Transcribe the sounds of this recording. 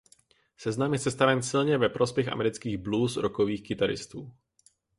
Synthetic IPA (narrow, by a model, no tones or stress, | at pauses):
sɛznamjɛsɛst̪avɛnsɪlɲɛvɛpɾo̞spjɛxʔa̰mɛɾɪt͡skiːɣbluːsɾʔoko̞viːxkɪt̪aɾɪ̰st̪uː